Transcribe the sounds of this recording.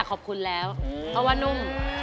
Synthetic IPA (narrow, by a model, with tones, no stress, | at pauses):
kʰɔː˨˩p̚kʰu˧nlɛː˦˥wpʰɔ˧˥waː˥˩nu˧˥˩m